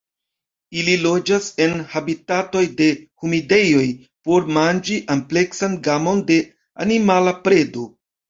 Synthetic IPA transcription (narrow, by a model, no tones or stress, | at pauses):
ililo̞d͡ʒase̞nhabitato̞jde̞humide̞jo̞j | po̞ɾmand͡ʒiʔample̞ksanɡamo̞nde̞ | animalapɾe̞do